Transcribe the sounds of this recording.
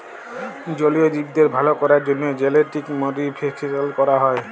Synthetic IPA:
d͡ʑoliod̪ibd̪eɾbʱalokɔɾaɾd͡ʑonːod͡ʑeleʈikmoɾipʰeʈʰiɾelkɔɾaɦɔe

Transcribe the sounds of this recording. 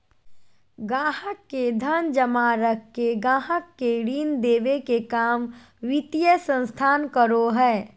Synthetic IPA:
ɡãːɦəkːed̪ʱənd͡ʒəmaːɾəkːeɡãːɦəkːeɽiːnd̪eːʋekekaːm | ʋɪt̪ijəsə̃nst̪ʰaːnkəɾoɦɛː

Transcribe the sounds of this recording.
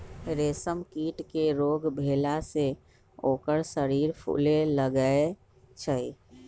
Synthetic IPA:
ɾeːsəmkiːʈkeɾoːɡbʱeːlase | oːkəɾsəɾiːɾpʰṵleləɡəe | t͡ʃʰəi

